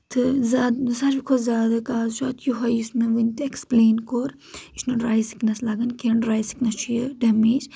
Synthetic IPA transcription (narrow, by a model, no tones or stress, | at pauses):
t̪ʰɨzasɐt͡ʃbikʰozzʲaːd̪ɐkaːzt͡ʃʰaːt̪ʰjoɦɐjismɐʋɨnʲt̪ekspleːnkoɾ | isnɐɾaːjsi̥knɐslɐɡɐnkeɖɾaːjsi̥knɐst͡ʃʰujeɖɐmeːd͡ʒ